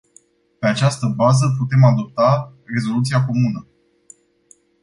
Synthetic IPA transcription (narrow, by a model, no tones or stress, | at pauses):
pe̞at͡ʃast̪əbazəput̪e̞mad̪o̞p̚t̪are̞zo̞lut̪siako̞munə